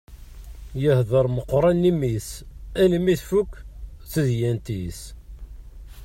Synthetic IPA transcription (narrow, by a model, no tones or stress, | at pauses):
jəhðəɾˤməqːɾˤɑnːimisænimiθfukːθəðjænt̪is